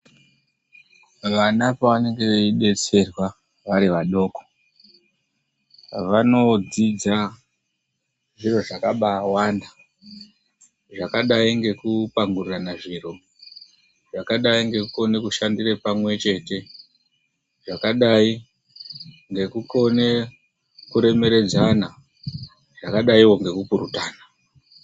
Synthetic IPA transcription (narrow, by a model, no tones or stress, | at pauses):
ʋanapaʋane̞ŋɡe̞ʋeiɗe̞t͡se̞rwa | ʋaɾiʋaɗo̞ːko̥ | ʋano̞d͡zid͡za | ʐiro̞ʐakaɓaːwanda | ʐakaɗaiŋɡe̞kupaŋɡururanaʐiro̞ | ʐakaɗaiŋɡe̞kuko̞nekuʃandirepamwe̞t͡ʃe̞ːte̞ | ʐakaɗai | ŋɡe̞kuko̞ne̞ | kuɾe̞me̞ɾe̞d͡zana | ʐ̥akaɗaiwo̞ŋɡe̞kupuɾutaːna